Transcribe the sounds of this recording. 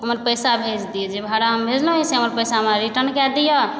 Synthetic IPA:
ɦəməɾpəjsabʱed͡ʒd̪ijɔd͡ʒebʱaɽaɦəmbʱed͡ʒlõiseɦəməɾpəjsameɾiʈənkɛd̪ijɔ

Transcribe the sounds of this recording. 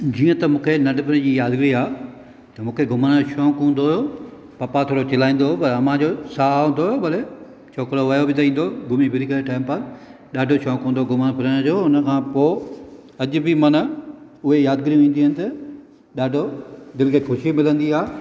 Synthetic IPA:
d͡ʑiːə̃t̪ɐmũːkʰenɐɖɪbɪnd͡ʑiːjaːd̪ɡɾiaː | t̪ɐmũːkʰeɡʱʊməñʃɔ̃ːkũːnd̪oɦjo | pɐpat̪ʰoːɾot͡ɕɐlaːĩːn̆d̪opɐɾɐmãd͡ʑosaːũnd̪oɦjobɐle | t͡ɕʰoːkɾoʋɐjobɪt̪ɐĩːn̆d̪oɡʊmibʱɪɾikəeʈaːɪmpɐɾ | ɗaːɖʱoʃɔ̃ːkũːnd̪oɡʱʊmənpʰɪɾəɽ̃d͡ʑoːʊnəkʰãːpoː | ɐd͡ʑʊ̆bɪmɐn̆ | ʊɦejaːd̪̚ɡɪɾijũʋĩːnd̪iɦʊnɪ̆t̪ɐ | ɗaːɖʱod̪ɪlɪkʰexʊʃimɪlə̃nd̪iaː

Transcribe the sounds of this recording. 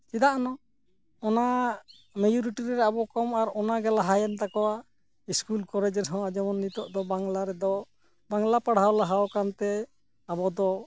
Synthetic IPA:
sid̪aʔnɔ | ɔna | med͡ʒuɾiʈiɾɛɾɛabɔkɔmaɾɔnaɡɛlaɦajɛnt̪akɔwa | iskulkɔɾɛd͡ʒɛnɦɔ̃ad͡ʒɔmɔnːit̪ɔʔd̪ɔbaŋlaɾɛd̪ɔ | baŋlapaɽ̤awlaɦawɔkant̪ɛ | abɔd̪ɔ

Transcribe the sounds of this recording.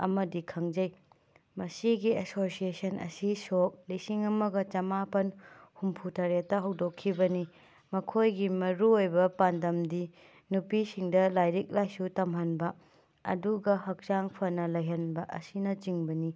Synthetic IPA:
ɐ̰mɐdikʰɐŋd͡ʒɐj | mɐsiɡiesosiesɐnʔɐ̰sisok̚lisiŋɐmɐɡɐt͡ʃɐmapɐnhumpʰutʰɐɾetːɐɦɐwdokʰːibɐni | mɐkʰojɡimɐɾuojbɐpandɐmdi | nupisiŋdɐlajɾik̚lajsutɐmɦɐnbɐ | ɐ̰duɡɐhɐk̚zaŋpʰɐnɐlɐjɦɐnbɐʔɐ̰sinɐt͡ʃiŋbɐni

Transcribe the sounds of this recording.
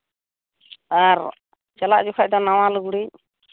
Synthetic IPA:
aɾ | t͡ʃalaʔd͡ʒukʰaʔ̚d̪ɔnaw̃aluɡuɽic

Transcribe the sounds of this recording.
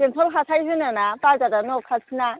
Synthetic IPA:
entʰɔlɦasʰajɦɯnanapazadanɔkʰasʰina

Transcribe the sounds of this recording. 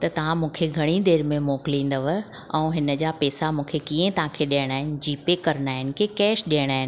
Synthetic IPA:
t̪ɐt̪ɐʋ̤ãmũːkʰeɡʱɐɽ̃id̪eːɾmẽmoːkɪlĩːn̆d̪əʋə | ɛ̃ːɦɪnə̆d͡ʑaːpɛːsamũːkʰekiẽt̪ɐʋ̤ãkʰeɗaːɪɽ̃aːɦɪnɪ̆d͡ʑiːpekɐɾənaːɦɪnɪ̆kekɛːʃɗiəɽ̃aːɦɪnɪ

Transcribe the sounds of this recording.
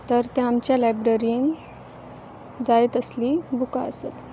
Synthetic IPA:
t̪əɾt̪eamt͡ɕjalajbɾəɾin | d͡zajet̪əslibuka̰əset̪

